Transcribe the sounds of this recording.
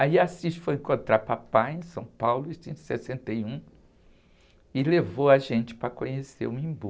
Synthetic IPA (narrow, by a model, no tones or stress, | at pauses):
aiasiʃfojẽkõnt̪ɾaɾpapajẽj̃sɐ̃w̃pawlʊit̪ĩsesẽnt̪ejũ | ɪlevowaʒẽnt͡ʃɪ̥pɾɐkõɲesḛɾũĩbu